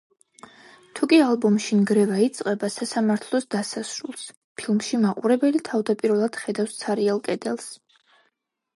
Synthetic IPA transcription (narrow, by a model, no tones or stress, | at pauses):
t̪ʰukʼialˠbumʃinɡɾɛvait̪sʼqʼɛbasasamaɾt̪ʰlˠɔsd̪asasɾulˠs | pʰilˠmʃimaqʼuɾɛbɛlit̪ʰavd̪apʼiɾvɛlˠad̪̥χɛd̪afst̪sʰaɾialˠkʼɛd̪ɛlˠs